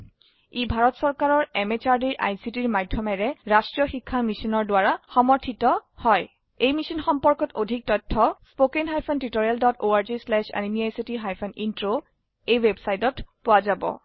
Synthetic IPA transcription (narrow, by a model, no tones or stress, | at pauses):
ibʱaɹɔtsɔɹkaɹɔɹɛmet͡ʃaɹdiɹʔa̰jsitiɹmadʱːjɔmɛɹɛɹastɹijɔxikʰːamisinɔɹdʊaɹaxɔmɔɹtʰitɔhɔj | ejmisɔnxɔmpɔɹkɔtodʱik̚tɔtʰːɔspokenɦajpʰɔntɹitoɹialdɔtoaɹzislɛʃa̰nimiajsitiɦajpʰɔnintɹo | ejwebsajtɔtpʊwazabɔ̰